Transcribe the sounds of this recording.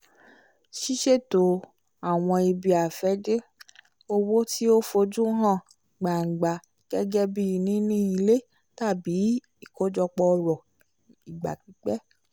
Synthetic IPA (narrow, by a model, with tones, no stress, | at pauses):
ʃi˦ʃe˦˨to˨˦˨ | a˨w̃ɔ̃˧i˧bi˧a˨fɛ˨˦d͡ʒe˦ | o˧wo˦ti˦o˦fo˧d͡ʒu˦ɦã˦˨ | ɡ͡ba˨ŋ̩˨ɡ͡ba˨ | ɡ̥ɛ˦ɡɛ˦bi˦i˨˧nĩ˦nĩ˦i˧le˦ | ta˦˨bi˨˦ | i˦˨ko˨˦d͡ʒɔ˧k͡pɔ˧ɾɔ˨ | i˨ɡ͡ba̰˨k͡pi˨˦k͡pɛ˦